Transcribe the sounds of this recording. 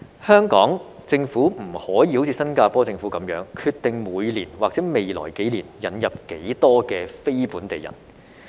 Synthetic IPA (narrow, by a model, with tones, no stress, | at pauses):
hœː˥ŋkɔ̰ː˨˥ŋ | t͡sɪ˧ŋfuː˨˥m̩˨˩hɔː˨˥jiː˧ho˨˥wt͡sʰiː˧sɐ˥nkaː˧pɔː˥t͡sɪ˧ŋfuː˨˥kɐ˨˥mjœː˨˥ŋkʰyː˧t̪ɪ˨ŋmuː˨˧jliː˨˩nwaː˨k̚t͡sɛː˨˥me˨jlɔ̰ː˨˩jke˨˥jliː˨˩njɐ˨˥njɐ˨p̚ke˨˥jt̪ɔː˥kɛː˧fe˥jpuː˨˥nt̪e˨˩jɐ̰˨˩n